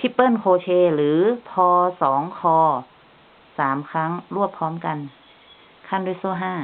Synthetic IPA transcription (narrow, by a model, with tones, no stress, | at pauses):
t̪ʰiː˧˩pɤː˥˩˨nkʰoː˧t͡ɕʰeː˧lɯː˩˦pʰɔː˧sɔː˩˦ŋkʰɔː˧ | saː˩˦mkʰa˦˥ŋɾu˥˩əpʰːɔː˦˥mka˧n | kʰa˥˩ndu˧˥˨jsuː˧˩˨ɦaː˥˩